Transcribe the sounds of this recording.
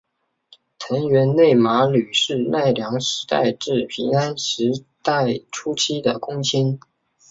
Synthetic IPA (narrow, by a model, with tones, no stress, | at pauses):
t̪ʰə˧˥ŋɥɛ˧˥nne˥˩ɪma˧˥ly˨˩ʂɻ̩˥˧na˥˩ɪljɑ˧˥ŋʂɻ̩˧˥t̪a̰˥˧ɪʈ͡ʂɻ̩˥˩pʰi˧˥ŋa˥nʂɻ̩˧˥t̪a˥˩ɪʈ͡ʂʰu˥t͡ɕʰi˥d̪ə˨kʊ˥ŋt͡ɕʰi˥n